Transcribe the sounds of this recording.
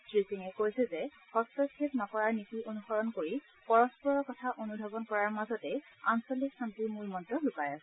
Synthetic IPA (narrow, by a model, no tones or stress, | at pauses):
tɹisiŋɛkojsɛzɛ | hɔstɔkʰipnɔkɔɹaɹnitionuxɔɹɔnkoɹi | pɔɹɔspɔɹɔkɔtʰaʔonudʱɔbɔnkɔɹaɹmazɔtɛansoliksantiɹmulmɔntɹɔlukajas